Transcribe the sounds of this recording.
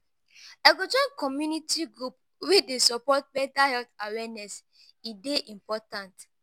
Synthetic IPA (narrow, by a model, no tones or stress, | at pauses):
ɛkod͡ʒɔ̃nkɔmjunitʰiɡɹup̚ | widesɔpɔt̚bɛtahɛltawɛnɛs | ideʔĩmpɔtãnt